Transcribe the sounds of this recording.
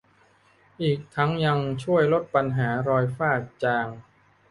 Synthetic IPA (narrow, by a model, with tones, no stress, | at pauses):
ʔiː˨˩k̚t̪ʰa˦˥ŋja˧ŋt͡ɕʰu˥˩əjlo˦˥t̪̚pa˧nɦaː˩˦ɾɔː˧jfaː˥˩k̚t͡ɕaː˧ŋ